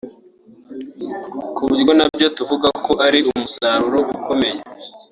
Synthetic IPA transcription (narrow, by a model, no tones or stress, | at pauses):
kuβiɾɡo̞nabjo̞tuvuɡako̞ʔaɾiumusaɾuɾo̞ʔuko̞me̞je